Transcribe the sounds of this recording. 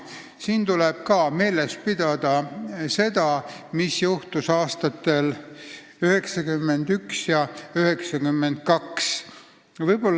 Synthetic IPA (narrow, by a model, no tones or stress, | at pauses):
siːnt̪uleb̥kɑːme̞ːle̞spid̪ɑd̪̥ɑse̞d̪̥ɑmisjuht̪usɑːst̪ɑt̪ːe̞l | yhe̞ksɑkymːe̞nd̪yksjɑyhe̞ksɑkymːe̞nd̪̥̚kɑks | vɤjb̥o̞lː